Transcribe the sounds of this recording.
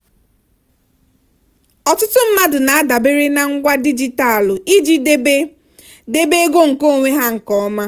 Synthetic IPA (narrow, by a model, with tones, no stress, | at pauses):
ɔ˨tʊ˦tʊ˦m̩˦ma˦dʊ˨na˨a˦da˨be˦ɾe˦na˦ŋ̩˦ɡʷa˦di˦d͡ʒi˨ta˨lʊ˨i˦d͡ʒi˦e˦ | de˦be˦e˦ɡo˦ŋ̩˨ko˦˨ŋʷe˦ɦa˦ŋ̩˨kɔ˦ma˦